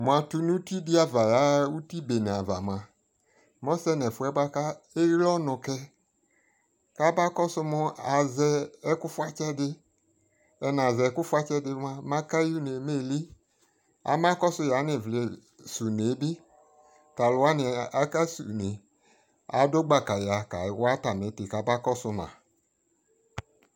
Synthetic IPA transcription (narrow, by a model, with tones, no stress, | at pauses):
mʊ̃˨a˨tu˦nũ˦ti˦dɪ˦a˦va˨ja˨˦u˦ti˦be˨ne˨a˨va̰˨m˨ã˨ | mɔ˦sɛ˦nɛ˨fʊ˨ɛ˦ba˦ka˦e˦lɔ˦nʊ˨kɛ˦ | ka˦ba˦kɔ˦sʊ˦mʊ˦a˨zɛ˦ɛ˦kʊ˦fa˦t͡ʃɛ˦dɪ˦ | ɛ˧n˨a˨zɛ˨˦ku˦fʷa˦t͡ʃɛ˦dɪ˧˦ma˦ma˦ka˦ju˦ne˨me˦˨li˦ | a̰˨˦ma˦kɔ˦sʊ˧˦ja˨˦ne˨vle˨ | su˨ne˨˦bi˦ | ka˨lʊ˨wa˦ni˨a˦ka˦sṵ˨ne˨ | a̰˨˦do˦ɡ͡ba˨ka˨ja˨ka˨wa˦ta˨me˨˦te˨ka˨˦ba˦kɔ˦sʊ˧ma̰˨